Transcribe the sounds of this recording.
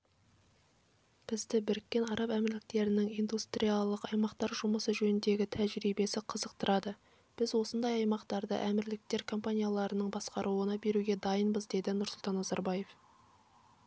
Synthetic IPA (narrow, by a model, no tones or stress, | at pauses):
b̥ɪzd̪ɪbɪɾkʲːe̞nɑɾɑpæmɪɾlɪk̚t̪e̞ɾɪnɪŋijnd̪ust̪ɾijalˠːəqɑjmɑqt̪ɑɾʒʊməsəʒɵnɪnd̪e̞ɡʲɪt̪ʰæʒɾibe̞sɪqʰəzəq̚t̪əɾɑd̪ə | b̥ɪzwo̞sənd̪ɑjɑjmɑqt̪ɑɾd̪ə̰ʔæmɪɾlɪk̚t̪e̞ɾkʰo̞mpanʲijalˠɑɾənəɴbɑsqɑɾʔuwənɑbe̞ɾuɡʲe̞d̪ɑjənbəzd̪e̞d̪ɪnʊɾsʊlˠt̪ɑnːɑzɑɾbɑje̞f